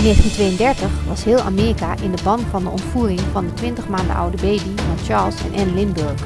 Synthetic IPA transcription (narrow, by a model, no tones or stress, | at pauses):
neːχtintʋejəndɛɹtəχʋɑsɦɪːlˠʔa̰ːmeːrikaːʔɪndəbɑnvɑndəɔntfuːrɪŋvɑndətʋɪntəχmaːndə̰ʔʌ̰wdəbejbivɔnt͡ʃɑɹlˠsɛ̰nʔɛnlɪnbøɹχ